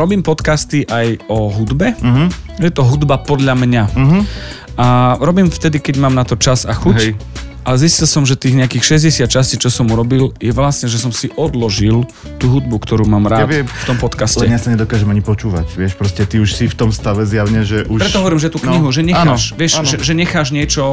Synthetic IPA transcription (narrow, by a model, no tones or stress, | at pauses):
ɾɔbiːmpɔt̪kast̪iʔajɔɦud̪bɛ | jɛt̪ɔɦud̪bapɔd̪ʎamɲa | ʔaɾɔbiːmft̪ɛd̪ikɛɟmaːmnat̪ɔt͡ʃazaxuɦɛjʔalɛziscilsɔmʒɛt̪iːɣɲɛakiːxʃɛzɟɛsɪat̪̚t͡ʃasciːt͡ʃɔsɔmuɾɔbiljɛʋlasɲɛʒɛs̬ɔmsiʔɔd̪lɔʒil | t̪uɦud̪̚bukt̪ɔɾuːmaːmɾaːɛtft̪ɔmpɔt̪kascɛɛjasaɲɛd̪ɔkaːʒɛmaɲipɔt͡ʃuːʋa̰cʋɪɛʃpɾɔscɛt̪iuʃsift̪ɔmst̪aʋɛzjaʊɲɛʒɛʔuʃpɾɛt̪ɔɦɔʋɔɾiːmʒɛt̪uːkɲiɦuʒɛɲɛxaʃʋɪɛʃʒɛʒɛɲɛxaːʒɲɪɛt͡ʃɔ